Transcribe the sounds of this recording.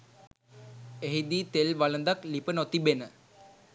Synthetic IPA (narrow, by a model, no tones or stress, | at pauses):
eɦid̪iːt̪elʋalənd̪aklipənot̪ibenə